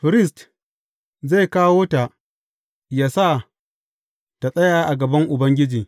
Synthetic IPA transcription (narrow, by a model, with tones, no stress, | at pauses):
ɸɪ˨ɾɪ˦st | za˦˨jkaː˦woː˦ta˨ʔ | jaː˦sa˦˨ | ta˨sʼɐ˦jaː˨ʔa˨ɡɐ˨bɐ˦ŋʔʊ˨bɐ˦ŋɡʲɪ˦d͡ʒiː˨